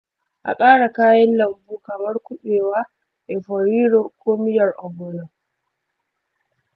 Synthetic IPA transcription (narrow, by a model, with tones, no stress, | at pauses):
ʔa̰˨kʼaː˦ɽa˨kaː˦jɐ˦nlɐ˨mbuː˦kɐ˨mɐ˦ɾku˦ɓɛː˨waː˦ | ʔɛ˨fɔɾiː˦ɾɔ˨kʰoː˦mɪ˦jɐ˨ɾʔɔ˨bɔ˨nɔ˨